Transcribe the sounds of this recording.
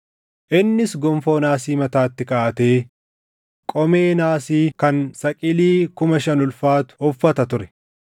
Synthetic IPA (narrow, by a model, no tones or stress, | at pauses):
ʔɪnːɪsɡɔmfo̞ːnaːsiːmɐt̪aːt̪ːɪkaːɐt̪e̞ː | kʼɔme̞ːnaːsiːkɐnsɐkʼɪliːkʊmɐʃɐnʊlfaːt̪ʊ̥hɔfːɐt̪ɐt̪ʊɾɛ̥